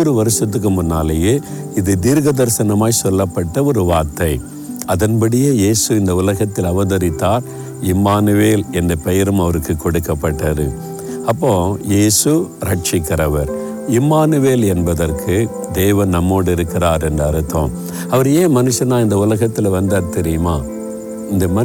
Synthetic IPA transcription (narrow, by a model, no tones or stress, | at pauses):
ɾɯʋɐɾɯsɐt̪̬ːɯk̬ːɯmʊnːa̰ːlejeː | ɪðɯt̪iːɾɣɐðɐɾsɐnɐmaːjsɔlːɐpːɐʈːɐɔɾɯʋaːɾt̪ːɐɪ | ɐðɐnpɐɽɪjeːjeːsɯɪnd̪ɐʊlɐɣɐt̪ːɪlɐʋɐðɐɾɪt̪ːaːɾ | ɪmaːnɯʋeːlɛndɐpɐjɪɾɯmɐʋɐɾɯkːɯkːɔɽɯkːɐpːɐʈːɐðɯ̰ | ɐpːõːjeːsɯɾɐʈt͡ʃɪkːɪɾɐʋɐɾ | ɪmaːnɯʋeːlɛnbɐðɐɾkʰɯ | d̪eːʋɐnnɐmːoːɽɪɾɯkːɪɾaːɾɛndrɐɐɾɯt̪ːõ̰ː | ɐʋɐɾeːmɐnɯʂːɐnãːɪnd̪ɐʊlɐɣɐt̪ːɪlʋɐnd̪ɐɾt̪ɛɾɪjɯmaː | ɪnd̪ɐmɐ